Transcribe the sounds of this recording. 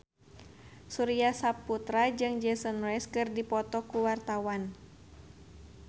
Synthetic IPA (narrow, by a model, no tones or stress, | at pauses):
suɾiasapːut̪ɾad͡ʒɨŋd͡ʒɛsɔnrɛskɨrdipɔt̪ɔkuwart̪awan